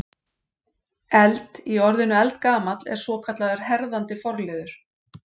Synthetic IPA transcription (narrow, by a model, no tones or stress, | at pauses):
ɛlt̪iɔɾðɪnʏɛlt̪kaːmat̪lɛ̰ɾ̥svɔːkʰat̪laðʏɾ̥hɛɾðant̪ɪfɔɾlɪːðʏɾ̥